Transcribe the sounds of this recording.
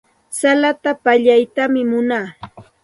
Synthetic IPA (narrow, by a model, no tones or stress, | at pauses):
salat̪apaʎajt̪amɪmʊnaː